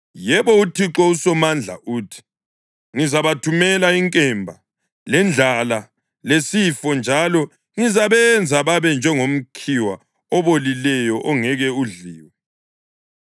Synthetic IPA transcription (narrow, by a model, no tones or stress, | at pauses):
jɛβɔutʰiǁɔusɔmand͡ɮʱa̰ʔuːtʰi̥ | ŋizaβatʰumɛlaiŋkʼɛmbʱa | lɛnd͡ɮʱala | lesifɔnd͡ʒʱalɔ | ŋizaβɛnd͡zʱaβaβɛnd͡ʒʱɛŋom̩kʰiwa | ɔβolilɛjɔʔɔŋɛɣɛuɮiːwɛ